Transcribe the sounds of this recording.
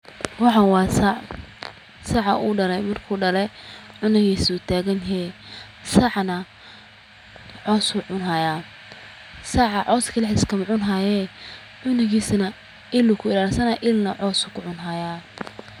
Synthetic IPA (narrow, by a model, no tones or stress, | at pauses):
wɑħɑwɑːsa | sɑʕɑʔuːɖɐlɛjmɐrkʰuːɖɐlɛʕʊnɪɣiːsut̪ʰaːɣɐnɦɛ | sɐʕnɐ | ʕɔːsuʕʊnɦajaː | saʕɑʕɔːskʰɐlɛħɪskʰɐmʕʊnɦajɛ | ʕʊnɪɣiːsnɐ | ɪlʊkʰʊɪlaːlsɐnaʔɪlnɐʕɔːsʊkʰʊʕʊnɦajaː